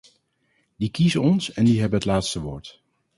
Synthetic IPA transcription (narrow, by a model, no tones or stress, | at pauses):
dikizənɔnsɛndiɦɛbənɦətlaːtstəʋoːɹt